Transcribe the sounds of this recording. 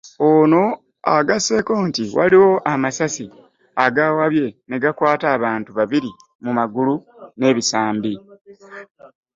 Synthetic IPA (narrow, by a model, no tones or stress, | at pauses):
ono̞ | a̰ɡase̞ːko̞ːntiwʔa̰liwo̞ʔamasasi | aɡawaβje̞ne̞ɡakwaːtaːβaːntuβaβiɾi | mumaɡulune̞ːβisaːmbi